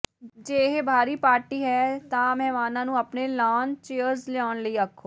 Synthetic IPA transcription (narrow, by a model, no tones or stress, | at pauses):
d͡ʒeːɦebʱaːɾiːpaːɾʈiːɦɛːt̪ãːmɛɦmaːnãːnũːəpneːlaːnt͡ʃeːəɾzlɪaːnləiːəkʰːoː